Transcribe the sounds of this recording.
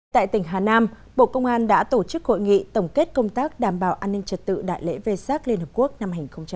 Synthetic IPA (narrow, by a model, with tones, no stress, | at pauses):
t̪a̰ː˧˨jt̪ï˧˩ŋ̟ɦaː˨˩naː˧m | ɓo̰˧˨kə˧wŋ͡mʔaː˧nɗa̰ː˧˥t̪o˧˩t͡ɕɨ˦˥k̚ho̰˧˨jŋḭ˧˨t̪ə˨˩wŋ͡mke˦˥t̚kə˧wŋ͡mt̪aː˦˥k̚ɗaː˨˩mɓaː˨˩wʔaː˧nːï˧ŋ̟t͡ɕə˨˩t̚t̪ɨ̰˧˨ɗa̰ː˧˨jlḛ˧˥ve˧saː˦˥k̚li˧ənhəː˨˩p̚ku˦˥ək̚na˧mha˨˩ŋ̟xə˧wŋ͡mt͡ɕa˧